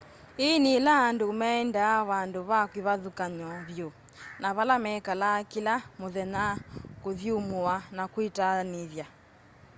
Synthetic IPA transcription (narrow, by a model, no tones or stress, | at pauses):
enelaːndomɛɛndaːβandoβakwiβaðukaɲɔβjo | naβalamɛkalakilamoðɛnakoðjomoanakwitaneðja